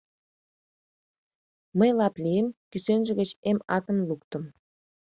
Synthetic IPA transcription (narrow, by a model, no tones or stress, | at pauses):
məjlɑplijəmkysenʒə̆ɣət͡ɕemɑt̪ə̆mluk̚t̪ə̆m